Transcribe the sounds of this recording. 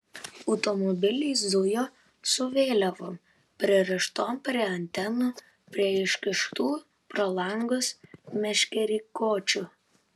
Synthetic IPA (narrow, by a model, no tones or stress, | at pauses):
ɔʊt̪ɔmɔbʲɪlʲiːs̬d̪ʊjoː | sʊʋʲeːlʲɛʋoːm | pʲɾʲɪɛɾʲɛʃt̪oːmpʲɾʲiɛɐnʲt̪ʲɛnuː | pʲɾʲiɛɪʃʲkʲɪʃt̪uː | pɾɐlˠɐŋɡʊsmʲɛʃʲkʲɛɾʲikoːt͡ʃʲʊ